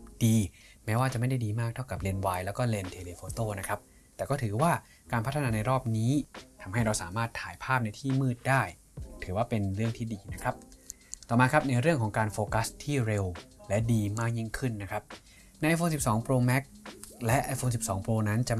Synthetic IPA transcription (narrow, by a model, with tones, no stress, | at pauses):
diː˧mɛː˦˥waː˥˩t͡ɕa˨˩ʔma˥˩jda˥˩jdiː˧maː˥˩k̚t̪ʰa˥˩wka˨˩p̚le˧nwaː˧jlɛː˦˥wkɔː˥˩le˧nt̪ʰeː˧leː˧fʰoː˧t̪oː˥˩na˦˥kʰa˦˥p̚ | t̪ɛː˨˩kɔː˥˩t̪ʰɯː˩˦waː˥˩ | kaː˧npʰa˦˥t̪ʰːa˧naː˧na˧jɾɔː˥˩p̚niː˦˥t̪ʰa˧mɦa˥˩jɾa˧wsaː˩˦maː˥˩t̪ʰːaː˩˦jpʰaː˥˩p̚na˧jt̪ʰiː˥˩mɯː˥˩t̪̚daː˥˩j | t̪ʰɯː˩˦waː˥˩pe˧nɾɯ˥˩əŋt̪ʰiː˥˩diː˧na˦˥kʰɾa˦˥p̚ | t̪ɔː˨˩maː˨˦˥kʰɾa˦˥p̚na˧jɾɯ˥˩əŋkʰɔː˩˦ŋkaː˧nfoː˧ka˦˥st̪ʰiː˥˩ɾe˧wlɛ˦˥diː˧maː˥˩k̚ji˥˩ŋkʰɯ˥˩nːa˦˥kʰɾa˦˥p̚ | na˧jʔa˧jfʰoː˧nsi˨˩p̚sɔː˩˦ŋpɾoː˧mɛ˦˥k̚lɛ˦˥ʔaː˧jfoː˧nsi˨˩p̚sɔː˩˦ŋpɾoː˧na˦˥nt͡ɕa˨